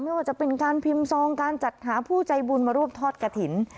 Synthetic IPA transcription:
ma˥˩jwaː˧˩t͡ɕa˨˩pe˧nkaː˧npʰi˧msɔː˧ŋkaː˧nt͡ɕa˨˩t̪̚ɦaː˩˦pʰuː˥˩t͡ɕa˧jbuː˧nmaː˧ɾu˥˩əm̚t̪ʰɔː˥˩t̪̚ka˧t̪ʰi˩˦n

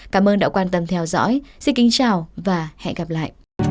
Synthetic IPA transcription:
kaː˨˦mʔəː˧nɗa̰ː˧˨kwaː˧nt̪ə˧mt̪ʰɛ˧wzɔ̰˧˥jsi˧nkï˨˦ŋt͡ɕaː˨˩wvaː˨˩hɛ̰˧˨nɣa˨˩p̚la̰ː˧˨jʔ

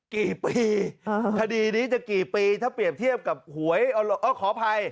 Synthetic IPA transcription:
kiː˨˩piː˧kʰa˧diː˧niː˦˥t͡ɕa˨˩kiː˨˩piː˧t̪ʰaː˥˩pɾi˨˩əp̚t̪ʰi˥˩əp̚ka˨˩p̚hu˩˦əjʔɔ˧˩lo˧ʔɔ˧˩kʰɔː˩˦pʰa˧j

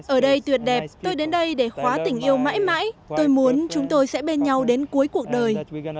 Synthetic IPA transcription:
ʔəː˧˩ɗə˧jt̪wi˨˩ət̚ɗɛ˨˩p̚t̪o˧jɗe˨˦nɗə˧jɗe˧˩xwaː˨˦t̪ï˧˩ŋ̟ʔi˧əwma̰ː˧˥jma̰ː˧˥jt̪o˧jmu˨˦ənt͡ɕʊ˨˦ŋ͡mt̪o˧jsɛ̰˧˥ɓe˧nɲa˧wɗe˨˦nku˨˦əjku˨˩ək̚ɗəː˨˩j

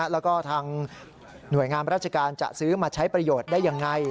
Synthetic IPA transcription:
lɛː˦˥wkɔː˥˩t̪ʰaː˧ŋ | nu˨˩əjŋaː˧mɾaː˥˩t̪̚t͡ɕa˧kaː˧nt͡ɕa̰˨˩ʔsɯː˦˥maː˧t͡ɕʰa˦˥jpɾa˧joː˨˩t̪̚daː˥˩jːa˧ŋːa˧j

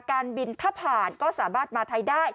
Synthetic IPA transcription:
kaː˧nbi˧nt̪ʰaː˥˩pʰaː˨˩nkɔː˥˩saː˩˦maː˥˩t̪̚maː˧t̪ʰa˧jdaː˥˩j

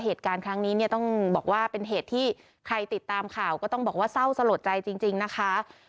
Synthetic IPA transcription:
ɦeː˨˩t̪̚kaː˧nkʰɾa˦˥ŋniː˦˥ni˥˩ɐt̪ɔ˥˩ŋbɔː˨˩k̚waː˥˩pe˧nɦeː˨˩t̪ʰːiː˥˩ | kʰɾa˧jt̪i˨˩t̪ːaː˧mkʰaː˨˩wkɔː˥˩t̪ɔ˥˩bɔː˨˩waː˥˩sa˥˩wsa˧lo˨˩t̪̚t͡ɕa˧jt͡ɕi˧ŋt͡ɕi˧ŋna˦˥kʰa˦˥

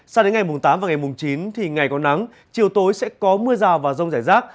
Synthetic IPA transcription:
sa˧wɗe˨˦nŋa˨˩jmʊ˨˩ŋ͡mt̪aː˨˦mvaː˨˩ŋa˨˩jmʊ˨˩ŋ͡mt͡ɕi˨˦nt̪ʰi˨˩ŋa˨˩jkɔ˨˦na˨˦ŋ | t͡ɕi˨˩əwt̪o˨˦jsɛ̰˧˥kɔ˨˦mɨ˧əzaː˨˩wvaː˨˩zə˧wŋ͡mzaː˧˩jzaː˦˥k̚

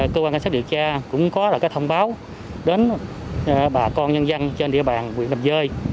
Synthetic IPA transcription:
kəː˧kwaː˧nka˧sa˦˥ɗḭ˧˨ət͡ɕaː˧kʊ̰˧˥ŋ͡mkɔ˨˦laː˨˩kaː˨˦˥jt̪ʰwŋ͡mɓaː˨˦w | ɗe˨˦n | ɓaː˨˩kɔ˧nɲə˧nzə˧nt͡ɕe˧nɗḭ˧˥əɓaː˨˩nŋwḭ˧˨ənə˨˩mzəː˧j

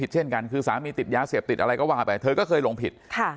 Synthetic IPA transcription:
i˨˩t̪̚t͡ɕʰe˥˩nka˧nkʰɯː˧saː˩˦miː˧t̪i˨˩t̪̚jaː˧seː˨˩p̚t̪i˨˩t̪ʔa˧ɾa˧jkɔː˥˩waː˧˩pa˧jt̪ʰɤː˧kɔː˥˩kʰɤː˧jloː˧ŋpʰi˨˩t̪̚kʰa˥˩

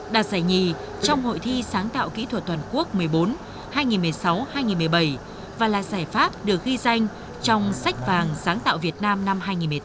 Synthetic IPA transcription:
ɗaː˧˩zaː˧˩jɲi˧˨˩ | t͡ɕɔ˧wŋ͡mho̰˧˨jt̪ʰi˧saː˨˦ŋt̪a̰ː˧˨wkḭ˧˥t̪ʰwə˨˩t̪̚wə˨˩nku˦˥ək̚mɨ˨˩əjɓo˨˦n | haː˧jŋi˨˩nmɨ˨˩əjsa˨˦whaː˧jŋi˨˩nmɨ˨˩ə˩jɓə˧˩j | vaː˨˩la̰ː˨zaː˧˩jfaː˦˥p̚ɗɨ˨˩ək̚ɣi˧za˧jŋ̟ | t͡ɕɔ˧wŋ͡msa˦˥k̟̚vaː˨˩ŋsaː˨˦ŋt̪a̰ː˧˨wvi˨˩ət̚naː˧mna˧mɦaː˧jŋi˨˩nmɨ˨˩˦

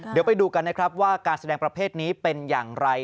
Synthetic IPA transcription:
di˩˦wpa˧jduː˧ka˧nːa˦˥kʰɾa˦˥p̚waː˥˩kaː˧nsa˧dɛː˧ŋpɾa˧pʰeː˥˩t̪̚niː˦˥pe˧njaː˨˩ŋɾa˧j

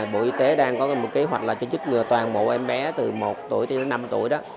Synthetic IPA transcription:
ɓo̰˧˨ʔi˧t̪e˨˦ɗaː˧ŋkɔ˨˦m˨˩t̚ke˨˦ɦwa˨˩k̟̚laː˨˩t͡ɕɔ˧zɨ˦˥t̚ŋɨ˨˩ət̪waː˨˩ŋmo̰˧˨ʔɛ˧mɓɛ˨˦t̪ɨ˨˩mo˨˩t̚t̪u˧˩əjt̪ʰɗe˨˦na˧mt̪ṵ˧˩əjɗɔ˨˦

